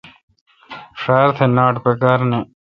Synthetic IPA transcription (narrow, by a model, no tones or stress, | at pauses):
ʂaːɾt̪ʰenaːʈpekaːɾne